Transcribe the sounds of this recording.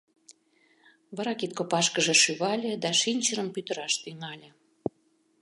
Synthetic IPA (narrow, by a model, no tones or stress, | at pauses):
βɑɾɑkit̪̚kopɑʃkəʒĕʃyβɑlʲĕd̪ɑʃinʲt͡ɕəɾəmpyt̪ə̆ɾɑʃt̪ynɑlʲĕ